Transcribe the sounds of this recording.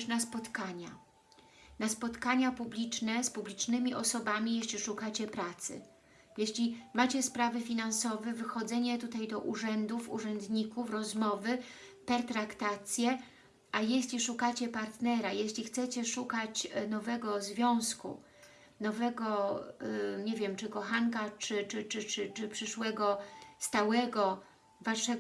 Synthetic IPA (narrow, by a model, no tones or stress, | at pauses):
ʂnaspɔt̪kaɲa | naspɔt̪kaɲapublʲit͡ʂnɛspublʲit͡ʂnɘmʲiʔɔsɔbamʲijeɕʲlʲiʂukat͡ɕɛpɾat̪sɘ̰ | jeɕlʲimat͡ɕɛspɾavɘfʲinansɔvɛvɘxɔd̪zɛɲɛt̪ut̪ajd̪ɔʔuʐɛnd̪ufṵʐɛnd̪ɲikufɾɔzmɔvɘpɛɾt̪ɾakt̪at̪sʲjɛ | ʔajeɕlʲiʂukat͡ɕɛpaɾt̪nɛɾajeɕlʲixt̪sɛt͡ɕɛʂukat͡ɕnɔvɛɡɔzvʲjɔ̃w̃skṵ | nɔvɛɡɔ | ɲevʲjɛmt͡ʂɘkɔxaŋkat͡ʂɘt͡ʂɘt͡ʂɘt͡ʂɘt͡ʂɘpʂɘʂwɛɡɔst̪awɛɡɔ | vaʂɛ